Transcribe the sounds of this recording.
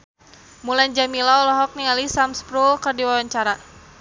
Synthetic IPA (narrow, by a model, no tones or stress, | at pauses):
muland͡ʒamilaɔlɔɦɔk̚nialisamspɾulkərdiwawaɲt͡ʃaɾa